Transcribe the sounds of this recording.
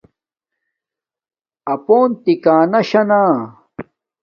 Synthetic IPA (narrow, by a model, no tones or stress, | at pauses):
ɐpoːnt̪ikaːnɐɕɐnaː